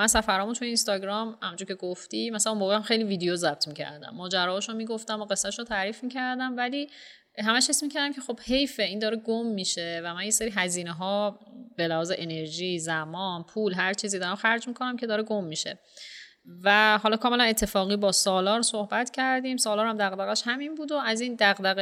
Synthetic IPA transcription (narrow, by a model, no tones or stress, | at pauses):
mænsæfæɾɒːmunt̪ʰujeinst̪ɒːɟɾɒːmhæmnd͡ʒuɾcʰe̞ɡoft̪iːmæsælæumboːɣeæmxe̞jliːviːd̪ejozæb̥t̪ʰmiːcʰæ̰ɾd̪æ̰mːɒːd͡ʒæɾɒːʃomiːɡoft̪æmoɣe̞sːætʃot̪ʰæːɾiːfmicʰæɾd̪æmvæliː | ɦæmæʃhe̞smiːcʰæɾd̪æmcʰe̞xo̞b̥he̞jfeiːnd̪ɒːɾeɡomːiːʃevæmænjeseɾiːɦæziːneɦɒːbe̞læhɒːzeʔene̞ɾʒiːzæmɒːnpʰuːlɦæɾt͡ʃʰiːzid̪ɒːɾæmxæɾd͡ʒmikʰonæmcʰe̞d̪ɒːɾeɡomːiːʃḛ | væhɒːlɒːkʰɒːmelæne̞t̪ʰːe̞fɒːɣiːbɒːsɒːlɒːɾsohbæt̪cʰæɾd̪iːmsɒːlɒːɾhæmd̪æɣd̪æɣæʃhæminbuːd̪oæziːnd̪æɣd̪æɣe